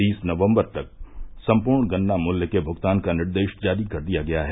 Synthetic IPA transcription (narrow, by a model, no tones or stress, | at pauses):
iːsnɐʋə̃mbəɾt̪ɐk̚sɐ̃mpuːɾɳɡɐnːamʊljəkebʱʊɡt̪aːnkanɪɾd̪eːʃd͡ʒaːd̪ikɐɾd̪ijaɡɐjaɦɛ